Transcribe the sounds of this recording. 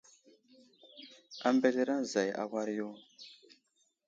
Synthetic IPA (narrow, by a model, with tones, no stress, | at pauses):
a˨mbe˦te˦ɾa˦n˨za˨ja̰˨ka˦ɾjo˦